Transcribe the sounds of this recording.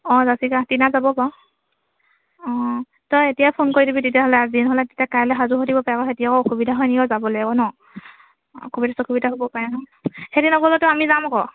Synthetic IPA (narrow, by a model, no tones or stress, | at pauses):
ɔ̃zasikatinazabɔpa | ɔ̃ | tɔjetijapʰonkoɹidibitetijaɦɔlɛazinɦɔlɛtetiakajlɛɦazuɦotibɔpaɹɛkɔxetijakɔokubidʱaɦɔjnikɔzabɔlɔakɔnɔ | okubidasɔkubidaɦobɔpaɹɛnɔhetinɔɡɔlɔtʊamizamakɔ